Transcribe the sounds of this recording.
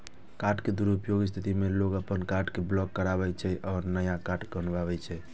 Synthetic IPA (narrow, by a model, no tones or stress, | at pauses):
kaʈked̪uɾupjoɡs̬t̪ʰit̪imelokəpənkaʈkeblɔkːəɾabɛt͡ʃʰɛʔɔːɾnəjakaʈɡənbabɛt͡ʃʰɛ